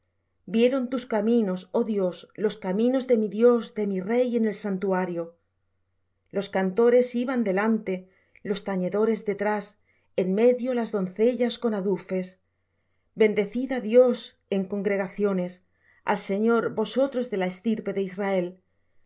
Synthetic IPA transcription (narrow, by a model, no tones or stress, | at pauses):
bje̞ɾo̞nt̪uskamĩno̞so̞ðjo̞slo̞skamĩno̞zðe̞miðjo̞zd̪e̞mire̞je̞ne̞lsant̪uaɾjo | lo̞skant̪o̞ɾe̞siβand̪e̞lant̪e̞ | lo̞st̪aɲe̞ðo̞ɾe̞zðe̞t̪ɾas | enme̞ðjolazðo̞nθe̞ʎasko̞naðufe̞s | be̞nd̪e̞θiðaðjo̞s | e̞ŋko̞ŋɡɾe̞ɣaθjo̞ne̞s | a̰lse̞ɲo̞ɾbo̞so̞t̪ɾo̞zðe̞laest̪iɾpe̞ðeisrae̞l